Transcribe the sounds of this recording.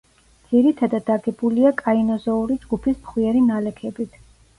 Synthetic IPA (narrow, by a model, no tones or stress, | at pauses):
d̪z̥iɾit̪ʰad̪ad̪aɡɛbuliakʼainɔzɔuɾid͡ʒɡupʰismχwiɛɾinalɛkʰɛbit̪ʰ